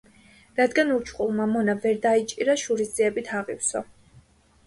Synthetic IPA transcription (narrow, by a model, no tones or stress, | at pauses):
ɾad̪ɡanuɾt͡ʃʰχulˠmamɔnavɛɾd̪ait͡ʃʼiɾaʃuɾisd̪ziɛbit̪ʰaʁḭfsɔ